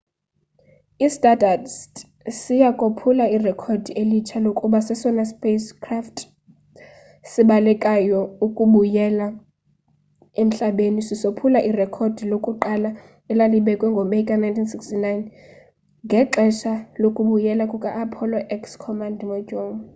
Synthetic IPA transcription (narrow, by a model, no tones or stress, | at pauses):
istʼadʱads | sijakʼopʰulairɛkʰod̥ʱielit͡ʃʰalokʼuɓasɛsɔnaspʼeskʰraftʰʼ | siɓalɛkʼajɔukʼuɓujɛla | em̩ɬaɓenisisopʰulaʔirɛkʰod̥ʱilokʼuǃala | ɛlaliɓɛkʼwɛŋɡʱɔmekʼanajntʰinsikstinajn | ŋɡʱɛǃɛʃalokʼuɓujɛlakʼukʼaʔːpʰɔlɔʔɛkskʰɔmandʱmɔd͡ʒʱoŋ